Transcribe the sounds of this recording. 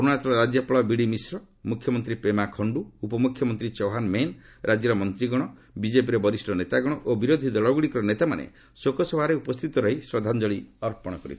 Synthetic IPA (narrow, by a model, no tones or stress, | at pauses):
ɔɾnat̪ɔɾɔɾad͡ʒjɔpɔɭɔbiɽimisɾɔ | mukʰjɔmɔnt̪ɾipemakʰɔɳɖuːpɔmukʰːjɔmɔnt̪ɾit͡ʃoɦanmen | ɾʔad͡ʒjɔɾɔmɔnt̪ɾiɡɔɽ̃ɔ | bid͡ʒepiɾebɔɾisʈʰɔnet̪aɡɔɽ̃ɔʔobiɾod̪ʱid̪ɔɭɔɡuɽikɔɾɔnet̪amanḛ | sokɔsɔbʱaɾeupɔst̪ʰit̪ɔɾɔɦiswɔd̪ʱand͡ʒɔɭiɔɾpɔɽ̃ɔkɔɾḭt̪ʰ